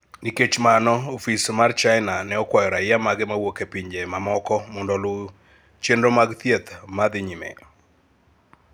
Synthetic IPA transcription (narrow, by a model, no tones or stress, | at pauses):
niket͡ʃmanɔofismart͡ʃaɪnanɛɔkwajɔɾajamaɡɛmawokepiɲd͡ʒemamɔkɔmɔndɔlo | t͡ʃendɾomaɡt̪ijet̪mad̪ɪɲimḛ